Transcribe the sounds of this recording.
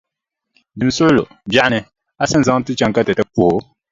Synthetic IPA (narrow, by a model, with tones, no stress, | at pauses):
dɨ˨m˨sʊ˦ʔlo˨ | bja˦ʔa˦nɨ˦ | a˦sa˦nza˦ŋ˦tɨ˦t͡ʃa˦ŋka˦tɛ˨tɛ˦k͡pu˦hʊ˨